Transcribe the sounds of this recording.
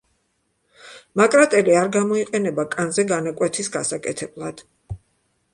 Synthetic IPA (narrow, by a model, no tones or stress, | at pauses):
makʼɾat̪ʼɛliaɾɡamɔiqʼɛnɛbakʼanzɛɡanakʼwɛt̪ʰisɡasakʼɛt̪ʰɛblˠad̪̥